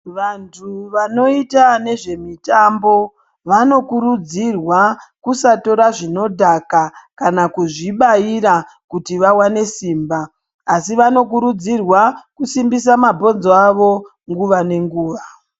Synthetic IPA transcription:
ʋantʰuʋano̞itane̞ʐe̞mitambo̞ | ʋano̞kuɾud͡zirwakusato̞ɾaʐino̞dʱakakanakuʐiɓaiɾa | kutiʋawane̞siːmbaː | siʋano̞kuɾud͡zirwakusimbisamabʱo̞nzoaʋo̞ | ŋɡuʋane̞ŋɡuːʋa

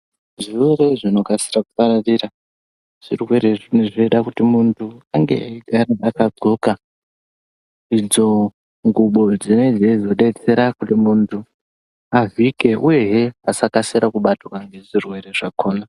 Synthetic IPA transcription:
ʐieɾeʐino̞kasiɾaku̥paɾariɾa | ʐ̥irweɾenʐeɗakutimuntʰuaŋɡe̞̰eiɡaɾaakad͡zo̞ka | id͡zo̞ | ŋɡuɓo̞d͡zine̞d͡zeid͡zoɗe̞t͡se̞ɾakutimuntʰu | avike̞ʔuje̞ɦeasakaseɾakuɓatokaŋɡe̞ʐirwe̞ɾe̞ʐakʰoːna

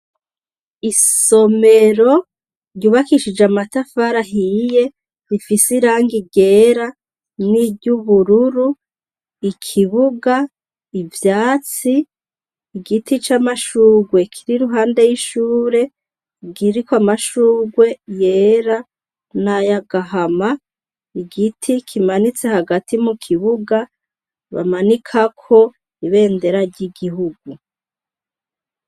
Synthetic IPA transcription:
iso̞me̞ɾo̞ | ɾɟuːβakiʃid͡ʒeamatafaɾaɦije̞ | ɾifisiɾaːŋɡiɟe̞ːɾa | niɟuβuɾuɾu | ikʰiβuɡa | ivjaːt͡siː | ɡitit͡ʃamaʃuːɡwe̞kʰiɾiɾuɦaːnde̞jiʃuːɾe̞ | ɡiɾikwamaʃuːɡwe̞je̞ːɾa | najaɡaɦama | iɡitʰikʰimanit͡se̞haɡatimukʰiβuɡa | βa̰manikʰakʰo̞ | iβe̞ːnde̞ɾaɾɟiɡiɦuɡu

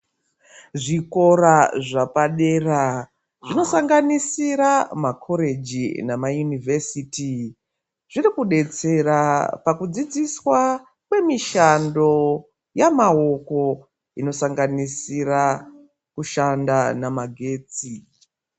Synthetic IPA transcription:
ʐiko̞ɾaʐapaɗe̞ːra | ʐino̞saŋɡanisiɾamakʰo̞ɾe̞d͡ʒinamajunivesiːti | ʐ̥irikuɗe̞t͡se̞rapakud͡zid͡ziswa | kwe̞miʃando̞ | jamao̞ko̞ | ino̞saŋɡanisiɾa | kuʃandanamaɡʱe̞ːt͡si

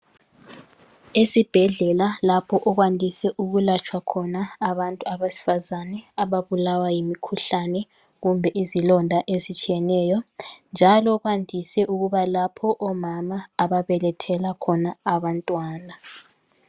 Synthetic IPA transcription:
esib̥ʱɛɮɛlalapʰɔʔɔɣwandʱisɛʔuɣulat͡ʃʰʼwakʰɔnaːβantʼuaβasi̥fazanɛaβaβulawajimikʰuɬanɛ | ɣumbʱɛʔizilɔndʱaʔezit͡ʃʼijɛnɛːjɔnd͡ʒʱalɔɣwandʱisɛʔuɣuβalapʰɔʔɔmamaːβaβɛlɛtʰɛlakʰɔnaaβantʼwaːna

